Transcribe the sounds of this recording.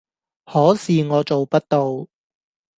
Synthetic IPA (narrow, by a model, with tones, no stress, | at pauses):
hɔː˨˥siː˨ŋɔː˨˧t͡ʃo˨wpɐ˥t̚t̪o˨w